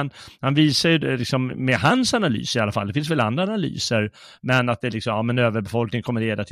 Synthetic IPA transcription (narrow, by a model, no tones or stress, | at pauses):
nhanviːsajɵd̪lɪksɔmːɛɦansanaly̰ːsɪalːafa̰ld̪ɛfɪnsvɛla̰nd̪ɾaanaly̰ːsəɾ | mɛnat̪̚d̪ɛlɪksɔmɑmɛnøːvəɾbɛfɔlknɪŋkʰɔmːəɾɭeːd̪at̪ʰ